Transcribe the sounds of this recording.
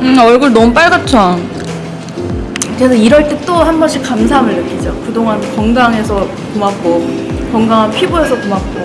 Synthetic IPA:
ɯʌɭɡuɭnʌmup͈aɭɡat͡ɕʰan | ɾesʰʌiɾʌɭt͈e̞t͈ohanbʌɕʰikams̬ʰamɯɭːɯk͈id͡ʑokɯdoŋankʌŋɡaŋe̞sʰʌ | komak̚k͈okʌŋɡaŋɦanpʰiboe̞sʰʌkomak̚k͈o

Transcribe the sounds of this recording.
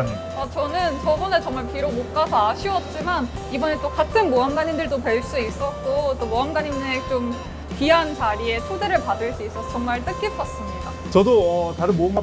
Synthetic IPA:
ɲi | ʌt͡ɕʌnɯnt͡ɕʌbʌne̞t͡ɕʌŋmaɭpiɾomok͈asʰʌaɕʰiwʌt̚t͡ɕ͈iman | ibʌne̞t͈okatʰɯnmoamɡaɲindɯɭdope̞ɭs͈uis͈ʌt̚k͈ot͈omoamɡaɲime̞t͡ɕ͈om | piɦant͡ɕaɾie̞t͡ɕʰode̞ɾɯɭpadɯɭs͈uis͈ʌsʰʌt͡ɕʌŋmaɭt͈ɯk͈epk͈ʰʌs͈ɯmɲida | t͡ɕʌdoʌtaɾɯnmoamɡa

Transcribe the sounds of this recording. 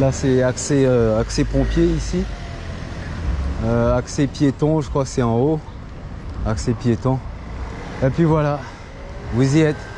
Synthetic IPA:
lasɛakseøaksepɔ̃pjeisi | øaksepjet̪ɔ̃ʒəkχwasɛɑ̃o | aksepjet̪ɔ̃ | epɥivwala | vuziɛt̪

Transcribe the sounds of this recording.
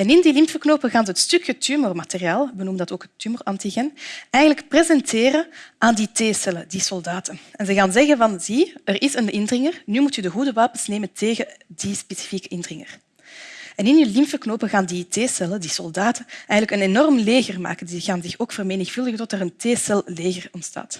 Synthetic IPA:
ɛnɪndilɪmpfərknoːpəɣaːnzəɦətstʏkjətymɔrmateriaːlˠbənuməndɑtoːkɦətːymɔrɑntiɣɛnɛjɣələkprezɛnteːɾəʔaːnditeːsɛlədisɔlˠdaːtənɛnzəɣaːnzɛɣənvɑnziərʔɪsənʔɪndrɪŋərnyːmutydəɣudəʋaːpəsneːməntʰeːɣədispesi̥fiːkəʔɪndrɪŋə̰r | ɛnɪnylɪmfəknoːpəɣaːnditeːsɛlədisɔlˠdaːtəɛjɣələkənenɔrmleːɣərma̰ːkəndiɣaːnzɪxoːkfərmeːnɪxfɵlˠdəɣətɔtərənteːsɛlˠleːɣərɔntsta̰ːt

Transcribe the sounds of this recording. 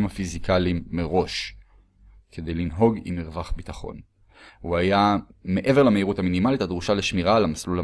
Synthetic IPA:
mhafizikalimːeʁo̞ʃ | kʰe̞de̞jlinɦo̞ɡḭmiʁvaχbitaχo̞̰n | uajame̞ʔe̞veʁlameiʁutaminimalitadʁuʃale̞ʃmiʁalamaslula

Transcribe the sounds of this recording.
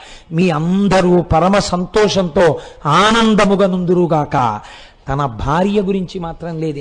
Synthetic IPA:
miːɐnd̪ʱɐɾuːpɐɾɐmɐsɐnt̪ɔːʂɐnt̪oːaːnɐnd̪ɐmuɡɐnund̪uɾuɡaːkɐ̰ | t̪ɐnɐbʱaːɾjɐɡuɾiɲt͡ʃimaːt̪ɾɐmle̞ːd̪

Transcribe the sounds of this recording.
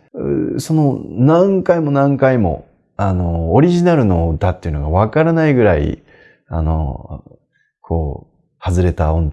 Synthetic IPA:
so̞no̞nãŋkaimo̞nãŋkaimo̞̰ | ano̞ːɾʲiʑinaɾɯ̟no̞d̪at̪ːeiɯ̟no̞ɡaβakaɾanaiɡɯ̟ɾaḭ | ano̞̰ | kʰo̞ː | hazɨɾe̞t̪aõn

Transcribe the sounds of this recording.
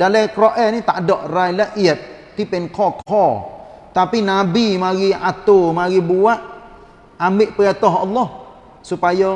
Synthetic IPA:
dalakɾɔʔɛnit̪a̰ʔdɔʔrajlaʔiət̪̚t̪ipɛnkʰɔkʰɔt̪apinabimaɣiat̪omaɣibuaʔ | amɪʔpəɾɛt̪ɔɦɔlːɔh | supajɔ

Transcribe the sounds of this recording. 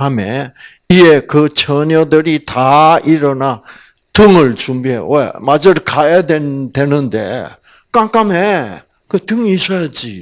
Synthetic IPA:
ame | iekɯt͡ɕʰʌɲʌdɯɾitaiɾʌna | tɯŋɯɭt͡ɕumbiɦḛwḛmad͡ʑɯɾkajadwentwe̞nɯndḛ | k͈aŋk͈ame | kɯt̪ɯŋisʌjad͡ʑi

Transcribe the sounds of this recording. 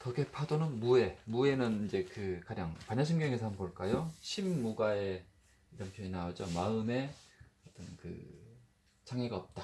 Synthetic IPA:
tʌɡe̞pʰadonɯnmue̞mue̞nɯnind͡ʑe̞kɯkaɲaŋpaɲaɕʰimɡjʌŋesʰʌɦamnkʌɭk͈ajoɕʰimːuɡae̞ | iɾʌmpʰjoinaʌd͡ʑomaɯme̞ʌt͈ʌnkɯ̰ | t͡ɕʰaŋiɡaʌp̚t͈a

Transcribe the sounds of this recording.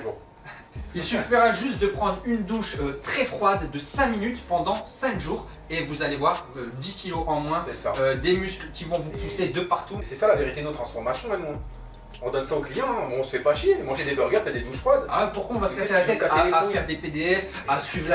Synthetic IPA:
ʒuʁ | ilsyfiʁaʒyst̪̚d̪əpχɑ̃d̪ʁynd̪uʃøt̪χɛfχwad̪ːəsɛ̃minyt̪pɑ̃d̪ɑ̃sɛ̃kʒuːʁ | evuzalevwaʁød̪ikʲiloʔɑ̃mwɛ̃sɛsaød̪emysklkʲivɔ̃vupused̪əpaʁ̥t̪usɛsalaveʁit̪ed̪not̪χɑ̃sfɔʁmasjɔ̃mɛmɔ̃ | ɔ̃d̪ɔnsaoklijɑ̃ɛ̃ɛɔ̃sə̥fɛpaʃjemɑ̃ʒed̪ebœʁɡʲœʁt̪ad̪ed̪uʃfχwad̪a̰puʁkwaɔ̃vasəkaselat̪ɛt̪saafɛʁd̪eped̪eɛf | asɥivʁl

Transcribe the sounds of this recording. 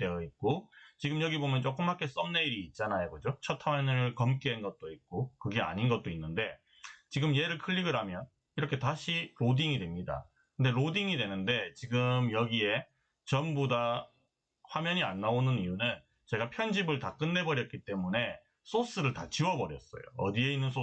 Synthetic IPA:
dejʌit̚k͈ot͡ɕiɡɯmjʌɡibomjʌnt͡ɕ͈ok͈ɯmhak͈e̞s͈ʌmne̞iɾiːt̚t͡ɕ͈anajoɡʌd͡ʑot͡ɕʰʌtʰamʌnɯɭkʌmk͈ianɡʌt̚t͈oit̚k͈okɯɡe̞a̰ɲinɡʌt̚t͈oinːɯnde̞ | t͡ɕiɡɯmje̞ɾɯɭkʰɯʎːiɡɯɾɦamjʌn | iɾʌkʰe̞taɕʰiɾodiŋidwe̞mɲida̰ | kɯnde̞ɾodiŋidwe̞nɯnde̞t͡ɕiɡɯmjʌɡie̞ | t͡ɕʌmboda | ɸwamjʌɲianːaonɯnijunɯn | t͡ɕe̞ɡapʰjʌnd͡ʑibɯɭtak͈ɯnːe̞bʌɾjʌt̚k͈it͈e̞mune̞ | s͈os͈ɯɾɯɭtat͡ɕiwʌbʌɾjʌs͈ʌ̰jo̰ʌdie̞inːɯnsʰo

